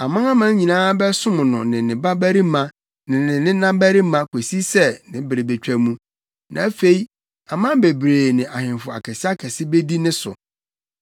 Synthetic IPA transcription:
a˨mã˦a˦mã˦ɲĩ˨nãː˦bɛ˦sʊ̃˦mʊ̃˨nʊ̃˨nɪ̃˨nɪ̃˨ba˦bæ˦ɾi˦mã˦ | nɪ̃˨nɪ̃˨nɪ̃˦nã˦mbæ˦ɾɪ˦mã˦kʰo˨si˦sɛ˦nɪ̃˦bɪ˨ɾɪ˨be˨t͡ɕᶣæ˨mũ˦ | nã̰˨˦fe˨i˦ | a˨mã˦be˨bɾeː˨nɪ̃˨ʔa˨hɪ̃˨n˨fʊ˨a̰˨kʰɛ˨sɪ˦a˦kʰɛ˨sɪ˦be˦di˦nɪ̃˦sʊ̰˨

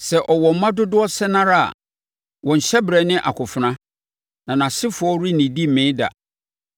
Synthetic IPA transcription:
sɛ˨ʔɔ˨wɔ˨m̩˨˦mã˦dʊ˦dʊ˦ɔ˦sɛ˦nã˦ɾa˦a̰˨ | wɔ̃˨ɲ̩˨ɕɛ˦bɾɛ˨nɪ̃˦ʔa̰˨kʰʊ˨fʊ˨nã˦ | nã˨nã˨sɪ˦fʊ˨˦ɔ˦ɾi˦nĩ˨di˦˨mẽ˨˦da̰˨

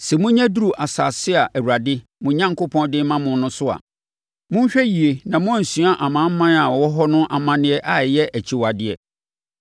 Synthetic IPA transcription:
sɛ˨mʊ̃˦ɲã˦du˦ɾu˨ʔa˨sa˨sɪ˦a˨ʔæ˨wu˨ɾa˨dɪ˦mʊ̃˨ɲã˦ŋkʰo˦pʰɔ̃˦ndɪ˦mã˦mʊ̃˨n˦nʊ̃˦sʊ˦a̰˨ | mʊ̃˦n˦ɕᶣɛ˦ji˨e˨nã˨mʊ̃˦æ̃˦˨n̩˨sũ˨˦a˦ʔa˨mã˨˦m̩˦mã˦na˨wɔ˦ɦɔ˦nʊ̃˦ʔa˨mã˦nɪ̃˦ɛ˦ʔa˨jɛ˦ʔæ˨t͡ɕʰi˦wa˨dɪ˦ɛ˨

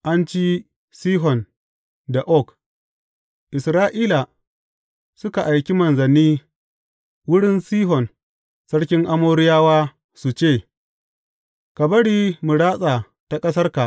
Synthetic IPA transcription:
ʔa˦nt͡ʃiː˦ | siː˦ɦɔ˨n | da˨ʔɔ˦˨k | ʔɪ˨sɾaː˦ʔiː˦la˨ | sʊ˦ka˨ʔa˨jkʲi˦mɐ˨nzɐ˨nːiː˦ | wʊ˦ɽɪ˦nsiː˦ɦɔ˨n | sɐ˦ɽkʲɪ˦ŋʔa˦moː˦ɽɪ˦jaː˦waː˦ | su˨t͡ʃeː˦˨ | ka˨bɐ˦ɽiː˦mʊ˨ɽaː˦sʼaː˨ | ta˨kʼɐ˦s̬ɐ˦rka˨ʔ

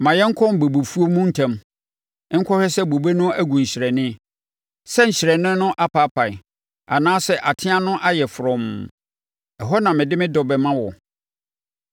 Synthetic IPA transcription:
mã˨jɛ˦ŋ̩˦kʰɔ˦m˨bo˨bo˨fu˦o˦mũ˦n̩˨tʰã˦˨m˦ | ŋ̩˦kʰɔ˦hɛ˦sɛ˦bo˨be˦nʊ̃˦æ˦ɡũ˨ɲ˨ɕɪ˨ɾɛ˨nɪ̃˦ | sɛ˦ɲ̩˨ɕɪ˨ɾɛ˨nɪ̃˦nʊ̃˦ʔa˦pʰa˦pʰa˨ɪ˨ | a˨nãː˦sɛ˦ʔa˨tʰɪ̃˦a˦nʊ̃˦ʔa˦jɛ˨fɾɔ̃˨m | ɛ˨ɦɔ˦nã˨mɪ̃˨dɪ˦mɪ̃˦dɔ˨bɛ˨mã˦wɔ˨

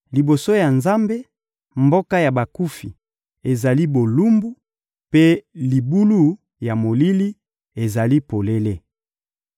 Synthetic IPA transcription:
li˨bo˨so˦ja˨nza˦mbe˦ | mbo˦ka˦ja˨ba˨ku˦fi˨ | e˨za˨li˦bo˨lu˦mbu˦ | pe˦li˨bu˦lu˦ | ja˨mo˨li˦li˦ | e˨za˨li˦po˨le˦le˦

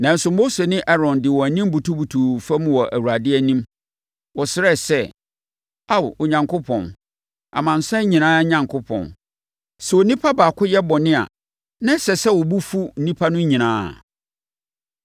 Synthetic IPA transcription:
nã˨n̩˨sʊ˨mo˦se˨nɪ̃˦ʔɛ˦ɾɔ̃˨ndɪ˨wɔ̃˨æ˨nĩ˦m˦bu˨tʰu˦bu˨tʰu˨fa˦mũ˨wɔ˨ʔæ̰˨wu˨a˨dɪ˦ɛ˦nĩ˦m | wɔ˨sɪ˦ɾɛ˦˨sɛ˦ | a˦˨wɔ˨ɲã˨ŋkʰʊ˦pʰɔ̰̃˨n | ʔa̰˨mã˨n̩˨sɛ˦ɲĩ˨nãː˦ɲã˨ŋkʰʊ˦pʰɔ̰̃˨n | sɛ˨wɔ˨nĩ˦pʰa˦baː˨kʰʊ˦jɛ˦bɔ˨nɪ̃˦a̰˨ | nã˦sɛ˨sɛ˦wɔ˨bu˦fu˦n̩˨nĩ˦pʰa˦nʊ̃˦ɲĩ˨nãː˦˨

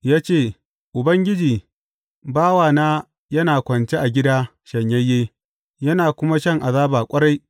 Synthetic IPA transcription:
jaː˦t͡ʃeː˦˨ | ʔʊ˨bɐ˦ŋɡʲɪ˦d͡ʒiː˨ | baː˦waː˨naː˦ | jɐ˦naː˨kʷɐ˨nt͡ʃe˦ʔa˨ɡʲɪ˦daː˦ʃɐ˨ɲjɐ˦jːeː˦ | jɐ˦naː˨kʷʊ˦ma˦ʃɐ˦˨ŋʔa˨zaː˦baː˨kʷʼɐ˦ɾa˦j

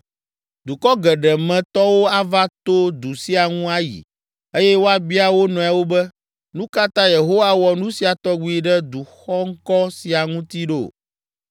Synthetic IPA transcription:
d̪u˨kɔ˦ɡɛ˨ɖɛ˨mɛ̃˨t̪ɔ˦wo˦a˦va˦t̪o˦d̪u˨si˦a˨ŋũ˦a˦jḭ˨ | e˦jɛ˦wo˦a˦bi˦a˦wo˦nɔ̃˨a˨wo˦bɛ˦ | nũ˦ka˦t̪ã˦je˨ɦo˦wa˦wɔ˨nũ˦si˨a˨t̪ɔ˦ɡ͡bu˦i˦ɖɛ˦d̪u˨xɔ˦ŋ̩˦kɔ˦si˨a˨ŋũ˦t̪i˦ɖo˦˨

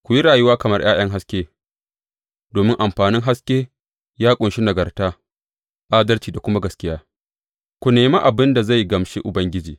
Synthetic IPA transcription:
kʷʊ˨ji˦ɾaː˨jʊ˦waː˦kɐ˨mɐ˦rj̰a̰ː˦j̰ɐ˦ŋɦa˦skʲeː˦ | doː˨mɪ˦ŋʔa˨mɸaː˨nɪ˦ŋɦa˦skʲeː˦ | jaː˦kʷʼʊ˨nʃi˦nɐ˨ɡɐ˨rtaː˦ | ʔaː˦dɐ˦rt͡ʃiː˨da˨kʷʊ˦ma˦ɡɐ˨skʲɪ˦jaː˦ | kʷu˨neː˨ma˦ʔa˨bɪ˦nda˨za˦˨jɡɐ˨mʃe˦ʔʊ˨bɐ˦ŋɡʲɪ˦d͡ʒiː˨

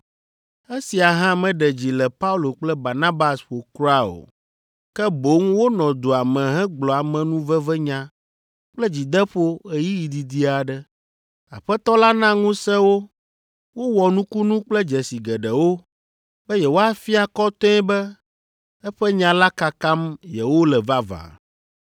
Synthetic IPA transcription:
e˦si˨a˨ɦã˦mɛ̃˨ɖɛ˨d͡ʑi˨lɛ˨pa˦u˦lo˨k͡plɛ˦ba˨na˦ba˦sɸo˨kɾu˦a˦o̰˨ | kɛ˦bo˨˦ŋwo˦nɔ̃˨d̪o˨a˨mɛ̃˨ɦɛ̃˦ɡ͡blɔ˨a˨mɛ̃˨nũ˦vɛ˦vɛ˦ɲã˨ | k͡plɛ˦d͡ʑi˨d̪ɛ˦ɸo˦e˨ji˦ji˨d̪i˨d̪i˦a˨ɖɛ˦ | a̰˨ɸɛ˦t̪ɔ˦la˦nã˦ŋũ˦sɛ̃˦wo˦ | wo˦wɔ˨nũ˦ku˦nũ˦k͡plɛ˦d͡ʒɛ˨si˨ɡɛ˨ɖɛ˨wo˦ | bɛ˦jɛ˨wo˦a˦fi˦a˨kɔ˦t̪ɔ̃˦ɛ˦bɛ˦ | ɛ˦ɸɛ˦ɲã˨la˦ka˨ka˦mjɛ˨wo˦lɛ˨va˦va̰˨

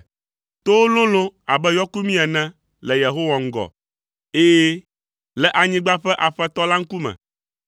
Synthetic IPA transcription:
t̪o˦wlõ˦lõ˦a˨bɛ˦jɔ˦ku˦mĩ˦ɛ˨nɛ̃˦ | lɛ˨je˨ɦo˦wa˨ŋ̩˦ɡɔ̰˨ | e˦je˦ | lɛ˨ʔa˨ɲĩ˦ɡ͡ba˦ɸɛ˦ʔa˨ɸɛ˦t̪ɔ˦la˦ŋ̩˦ku˦mɛ̰̃˨

